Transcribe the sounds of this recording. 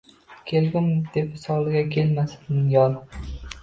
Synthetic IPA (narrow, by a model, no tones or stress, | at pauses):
kʲʰelɡʲɪmd̪̥e̞pɪsɒwlˠɪɡʲakʲʰe̞lmasɪ̥d̪ɪnjɒl